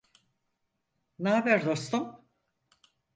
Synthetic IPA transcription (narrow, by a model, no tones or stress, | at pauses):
naːbɛɾd̪o̞st̪um